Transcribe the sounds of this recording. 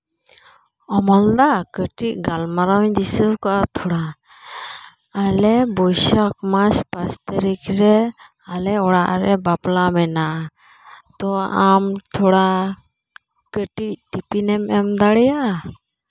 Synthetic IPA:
ɔmɔld̪akəʈic̚ɡalmaɾawd̪isəkɔʔat̪ʰɔɽa | alɛbɔjʃakmaspast̪əɾikɾɛ | alɛɔɽaʔɾɛbaplamɛna | t̪ɔamt̪ʰɔɽa | kəʈic̚ʈipinɛmɛmd̪aɽɛjaʔ

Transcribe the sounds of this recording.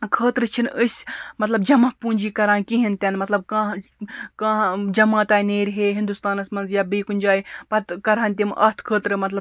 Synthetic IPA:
kʰəːt̪ɾɨt͡ʃʰinəsʲmɐt̪lɐbd͡ʒɐmɐpuːnʲd͡ʒiːkɐɾaːnkiɦint̪ʲɐnmɐt̪lɐb̚kãːkãːd͡ʒɐmaːt̪aːineːɾʲɦeɦind̪ust̪aːnɐsmɐnzjaːbiːkunʲd͡ʒaːjpɐt̪kɐɾaːnʲt̪̬ʲimʔɐ̰t̪ʰkʰəːt̪ɾɨmɐt̪lɐ

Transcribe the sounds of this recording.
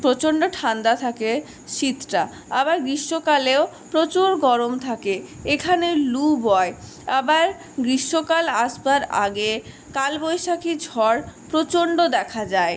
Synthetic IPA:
pɾot͡ɕoɳɖoʈʰand̪at̪ʰake | ʃit̪ːɾa | abaɾɡɾiʃːokaleo | pɾot͡ɕuɾɡɔɾomt̪ʰakeekʰanelubɔe | abaɾ | ɡɾiʃːokalaʃbaɾa̰ɡe | kalbojʃakid͡ʑʱɔɾpɾot͡ɕoɳɖod̪ɛkʰad͡ʑae

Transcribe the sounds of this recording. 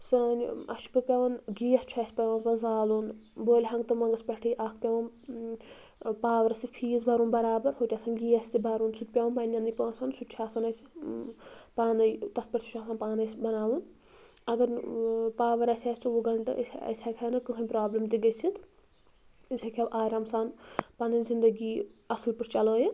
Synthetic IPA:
sɐnɐ̰t͡ʃʰi̥pɨpʲɐʋɐnɡiːjɐst͡ʃʰuɐːsʲpɐʋɐnpɐzaːlunboːlʲɦɐŋɡt̪ɨmɐŋɡɐspʲɐʈʰijʔaːkʰpʲɐʋɐn | paːʋɐɾsipʰiːzbʱɐɾuːnbɐɾaːbɐɾɦot̪ʲaːsʰɐnɡijɐsʲt̪ibɐɾunsut̪̚pʲɐwɐnpanʲːɐnipɐːsɐnsut͡ʃʰaːsɐnɐsʰʲ | paːnɐjt̪ɐspɐʈsʰu̥t͡ʃʰaːsaːnpaːnɐsʲbɐnaːwun | ɐɡɐɾpaːʋɐɾɐsʲaːsʲt͡ʃ̪uwuɡɐɳʈɨ̰ɐ̰sɐ̰sʲʰaːkʰʲanɨkɨkʰɐnʲpɾaːblɐmt̪iɡɐsʰit̪ | isʰʲakʰʲawʔaːɾaːmsaːnpanɐnzind̪ɐɡiːɐsɐlpɨʈt͡ʃɐləːjɐ

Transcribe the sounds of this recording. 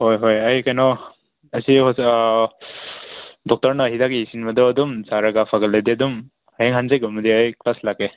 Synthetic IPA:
hojɦojajkajnɔ | ɐsiɦɔs | dɔk̚tɔɾnaɦidakiisinbɐdɔːdumsaɾaɡapʰaɡɐllajdeɐdum | ajeŋɦanzajɡɔmɐdiajklaslake

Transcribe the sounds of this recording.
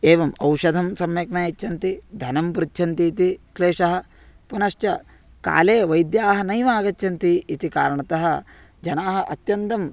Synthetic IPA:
eːʋɐmɐwʂɐd̪ʱɐmsɐmjɐkɳɐjɐt͡ʃːʃʰɐnt̪id̪ʱɐnɐmpɾitʃʰɐnt̪iːt̪ikleːʂɐɦɐ̆ | punɐʃjɐ | ka̰ːleːʋɐjd̪jaːɦɐnɐjʋaːɡɐt͡ʃʃɐnt̪iit̪ikaːɾɐɳɐt̪ɐɦɐ | d͡ʒɐnaːɦɐ̆ʔɐt̪jɐnt̪ɐm

